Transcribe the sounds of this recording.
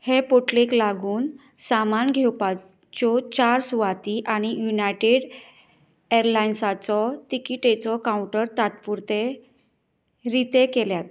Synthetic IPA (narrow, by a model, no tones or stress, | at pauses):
hepoʈleklaɡuːn | samanɡʱewpa | t͡ɕɔt͡ɕaɾsuʋat̪iʔaɽ̃ijunajʈeɽ | eɾlajnsat͡sɔt̪ikiʈet͡sɔkaũɳʈəɾt̪at̪puɾt̪e | ɾit̪ekeljat̪